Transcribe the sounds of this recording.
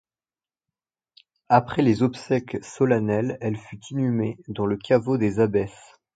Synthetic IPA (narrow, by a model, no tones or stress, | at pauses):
apχɛlezɔpsɛksɔlanɛlɛlfyt̪ʰinymed̪ɑ̃ləkʰʲavod̪ezabɛs